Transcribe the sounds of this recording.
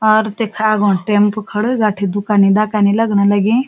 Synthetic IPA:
ɔːɾt̪ekʰaɡõʈẽmpkʰɐɽɡaːʈʰid̪ʊkaːnid̪akaːnilɐɡnalɐɡẽ

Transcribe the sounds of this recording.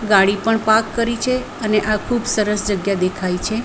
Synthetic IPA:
ɡaɽipəɳpakːəɾit͡ʃʰe | əneʔakʰubsəɾəsd͡ʒəɡjad̪ekʰajt͡ʃʰe

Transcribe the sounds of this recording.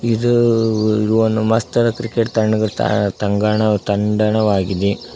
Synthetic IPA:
id̪uiduʋonːumɐst̪ɐɾɐkɾikeʈ̚t̪ɐɳɖɐɡɐɭt̪ɐ̰t̪ɐŋɡaɳɐt̪ɐɳɖɐɳɐʋaːɡid̪e

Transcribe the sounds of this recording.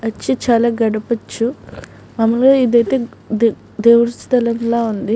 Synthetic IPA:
ɐt͡ʃːit͡ʃaːlaːɡɐɽɐpɐt͡ʃːu | mɐmːɐloːid̪ɐjt̪e̞ː | d̪eːwuɾust̪ʰɐlɐmloːund̪i

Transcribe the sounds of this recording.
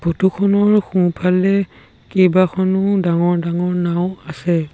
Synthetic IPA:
bʱotukʰɔnɔɹxũpʰalɛ | kejbakʰɔnʊdaŋɔɹdaŋɔɹnaʊ̃asɛ

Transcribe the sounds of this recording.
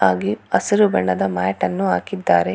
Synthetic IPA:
aːɡiɐsɐɾubɐɳɐd̪ɐmaːjʈɐnːuaːkid̪ːaːɾe

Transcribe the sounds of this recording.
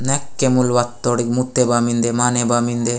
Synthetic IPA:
nekːemulʋɐt̪ːoɽiɡmut̪ːebaːmind̪emaːnebaːmind̪e

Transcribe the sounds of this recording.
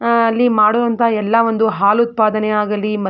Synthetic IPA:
ɐlːimaːɽoːʋɐnt̪ʰɐɛlːɐʋond̪uɦaːlut̪̚paːd̪ɐneaːɡɐlːimɐ

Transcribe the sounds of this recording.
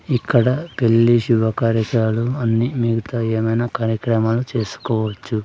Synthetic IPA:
ikːɐɽɐpe̞lːiʃuʋɐkaːɾɐkaːluɐnːimiɡut̪aːeːmɐjnakaːɾjɐkɾɐmaːlut͡ʃe̞ːsu̥kɔːʋɐt͡ʃːu

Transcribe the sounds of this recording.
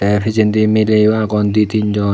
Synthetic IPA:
ɛpʰid͡ʒɛnt̪imilewakɔnd̪it̪iɲd͡ʒɔ

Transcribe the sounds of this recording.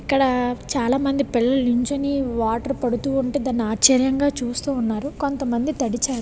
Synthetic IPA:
ikːɐɽɐt͡ʃaːlaːmɐnd̪ipiɭːɐliɲt͡ʃoniʋaːʈɐɾpɐɽut̪uːuɳʈeːd̪ɐnːaːt͡ʃɐɾjɐŋɡaːt͡ʃuːst̪uːnːaːɾuko̞nt̪ɐmɐnd̪it̪ɐɽit͡ʃaːɽu

